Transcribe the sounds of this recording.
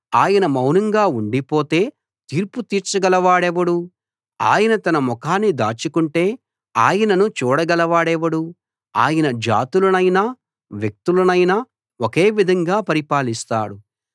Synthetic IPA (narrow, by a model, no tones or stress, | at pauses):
aːjɐnɐmɐwnɐŋɡaːuɳɖipo̞ːt̪e̞ː | t̪iːɾput̪iːɾt͡ʃɐɡɐlɐʋaːɽɛʋɐɽu | a̰ːjɐnɐt̪ɐnɐmɔkaːnːid̪a̰ːt͡ʃukuɳʈe̞ː | aːjɐnɐnut͡ʃuːɽɐɡɐlɐʋaːɽɛʋɐɽu | aːjɐnɐd͡ʒa̰ːt̪ulɐnɐjna | ʋjek̚t̪ulɐnɐjnɐ | oke̞ːʋid̪ʱɐŋɡaːpɐɾipaːlist̪a̰ːɽu